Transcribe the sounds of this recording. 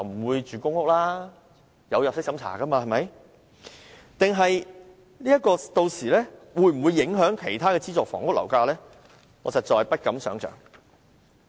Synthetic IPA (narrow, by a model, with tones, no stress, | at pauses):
ɐ˨wm̩˨˩wuː˨˧jt͡ʃyː˨kʊ˥ŋʊ˥k̚laː˥ | jɐ˨˧wjɐ˨p̚sɪ˥k̚sɐ˨˧˥mt͡sʰa̰ː˨˩kɐ˥maː˧hɐ˨˩jmɐ˨˧˥j | t̪ɪ˨ŋɦɐ˨j | niː˥jɐ˥t̚kɔː˧t̪o˧wsiː˨˩lɛː˥wuː˨˧jm̩˨˩wuː˨˧jːɪ˨˥ŋɦœː˨˥ŋkʰe˨˩jt̪ʰaː˥kɛː˧t͡siː˥t͡sɔː˨˩kfɔ̰ː˨˩ŋʊ˥k̚lɐ̰˨˩wkaː˧lɛː˥ | ŋɔː˨˧t͡sɐ˨t͡sɔː˨jpɐ˥t̚kɐ˨˥msœː˨˥ŋt͡ʃʰœ̰ː˨˩ŋ